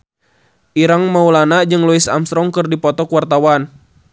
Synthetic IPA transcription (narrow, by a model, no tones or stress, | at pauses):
ʔiɾaŋmaulanaʔd͡ʒɨŋlɔisa̰mst̪ɾɔŋkɨrdipɔt̪ɔkuwart̪awan